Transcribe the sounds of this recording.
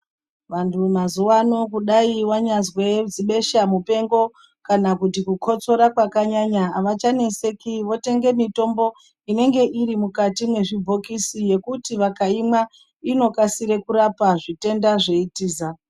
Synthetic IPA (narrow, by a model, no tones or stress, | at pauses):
ʋantʰumazuwano̞kuɗaiwaɲazwe̞d͡ziɓe̞ʃamupe̞ŋɡo̞ | kanakutikukʰo̞t͡so̞ɾakwakaɲaɲaːʋat͡ʃane̞se̞kiʋo̞te̞ŋɡe̞mito̞mbo̞ | ine̞ŋɡe̞ʔiɾimukatimwe̞ʐibʱo̞kisije̞kutiʋakaima | ino̞kasiɾe̞kuɾapaʐite̞ndaʐe̞itiːza